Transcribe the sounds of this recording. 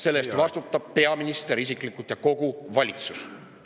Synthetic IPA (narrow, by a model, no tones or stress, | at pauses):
se̞lːest̪vɑst̪ut̪ˑːɑb̥̚pe̞ɑminist̪eɾisikˑlikˑut̪jɑko̞ɡuvɑlʲit̪sus